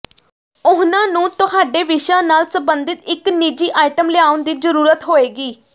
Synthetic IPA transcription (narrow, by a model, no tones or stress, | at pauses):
ʊɦnãːnũːt̪ʊɦaːɖeːʋɪʃãːnaːlsəmbənd̪ɪt̪ɪknid͡ʒiːʔaːɪʈəmlɪaːʊnd̪iːzəɾuːɾət̪ɦoːeːɡiː